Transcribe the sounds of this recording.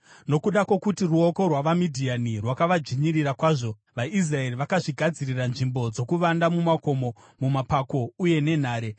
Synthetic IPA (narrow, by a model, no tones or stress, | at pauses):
no̞kuɗakwo̞kutiruoko̞rwaʋamidʱianirwakaʋad͡ʒiɲirirakwaːʐo̞ | ʋais̬rae̞riʋakaʐiɡʱad͡ziriranʐimbo̞d͡zo̞kuʋandamumako̞mo̞ | mumapako̞uje̞ne̞n̤aːɾe̞